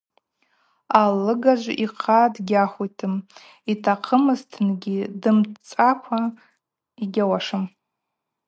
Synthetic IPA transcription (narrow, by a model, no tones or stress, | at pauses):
alɨɡad͡ʒʷiqʰadɡʲaχʷujtʰɨm | itʰaqʰəmɨztʰnɡʲidɨmt͡sʼakʷʰa | iɡʲawaʂɨm